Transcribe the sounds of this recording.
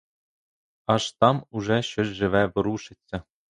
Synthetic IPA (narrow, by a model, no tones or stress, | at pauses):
ɑʂt̪ɑmuʐɑɕɘ̆ʒʒɘ̆ʋʲæʋɤ̆ɾuʃɘ̆t͡sʲːɘ̆